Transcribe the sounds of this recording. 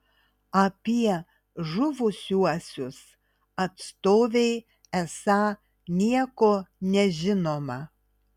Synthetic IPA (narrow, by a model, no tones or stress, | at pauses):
ɐpʲiɛ | ʒʊʋʊsʲuɔsʲʊs | ɐt̪st̪oːʋʲeɪ | ɛsɑ | nʲiɛkoːnʲɛʒʲɪnoːmɐ